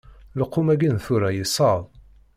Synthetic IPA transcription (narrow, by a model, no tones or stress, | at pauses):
ləqːumæɡinθuɾæjisˤɑðˤ